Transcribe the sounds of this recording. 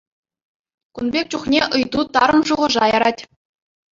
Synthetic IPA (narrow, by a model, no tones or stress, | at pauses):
kunbʲek̚ʲt͡ɕuχnʲeʔɯjt̪ut̪ɑɾɤ̆nʐuʁɤ̆ʐɑjɑɾɑtʲ